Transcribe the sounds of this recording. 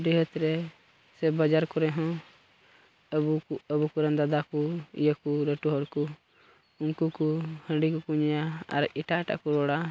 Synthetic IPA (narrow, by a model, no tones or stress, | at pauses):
ɖɛɦət̪ɾɛ | sɛbad͡ʒaɾkɔɾɛɦɔ̃ | əbuəbukuɾãnd̪ad̪akuḭjəkuɾəʈuɦɔɾku | unkukuhə̃ɳɖikukuɲjaa̰ɾiʈaɛʈa̰ʔkuɾɔɽa